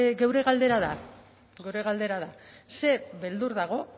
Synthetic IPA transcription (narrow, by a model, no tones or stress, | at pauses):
ɡewɾe̞ɣald̪e̞ɾaða | ɡe̞wɾe̞ɣald̪e̞ɾaðase̞βe̞ld̪uɾðaɣ̞o̞